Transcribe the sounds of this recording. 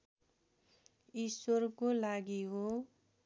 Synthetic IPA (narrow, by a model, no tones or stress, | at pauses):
iswʌrkolaɡiɦo